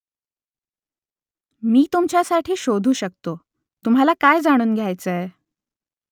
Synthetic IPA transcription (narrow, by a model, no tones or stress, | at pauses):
miːt̪umt͡ɕjasaʈʰiːɕod̪ʱuːɕək̚t̪o | t̪um̤ɦalakajd͡zaɽ̃uːnɡʱjajt͡səe